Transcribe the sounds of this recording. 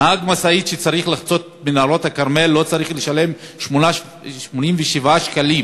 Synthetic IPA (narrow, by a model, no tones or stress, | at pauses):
haɡmasaitʃet͡saʁiχlaχt͡so̞t̪̚menalo̞t̪hakaʁme̞lːo̞t͡saʁiχleʃale̞m | ʃmona | ʃmonimveʃivaʃkalim